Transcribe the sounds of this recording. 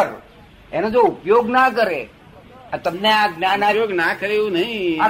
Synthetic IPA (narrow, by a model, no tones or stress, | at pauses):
əɾ | enod͡ʒoupjoɡnakəɾe | ət̪əmneaɡnanajoɡnakəɾeũnəɦĩa